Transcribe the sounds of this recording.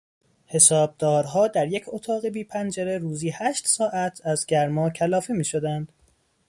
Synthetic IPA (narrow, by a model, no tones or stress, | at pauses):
he̞sɒːb̚d̪ɒːɾɦɒːd̪æɾjecʰot̪ʰɒːɣe̞biːpʰænd͡ʒeɾe̞ɾuːziːhæʃt̪sɒːʔæt̪ʰæzɟæɾmɒːcʰælɒːfemiːʃo̞d̪ænd̪̥